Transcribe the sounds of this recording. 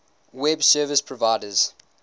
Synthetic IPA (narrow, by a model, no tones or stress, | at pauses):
wɛbsɜːvəspʰɹɔvaɪdəz̥